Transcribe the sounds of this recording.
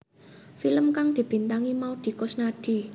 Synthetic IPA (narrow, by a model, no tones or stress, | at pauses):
filəmkaŋd̪̥i̤b̥i̤nt̪aŋimaud̪̥i̤kosnaɖ̥i̤